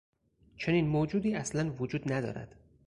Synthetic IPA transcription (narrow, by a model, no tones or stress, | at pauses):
t͡ʃʰe̞niːnmoːd͡ʒuːd̪iːæslænvod͡ʒuːd̪næd̪ɒ̰ːɾæ̰d̪̥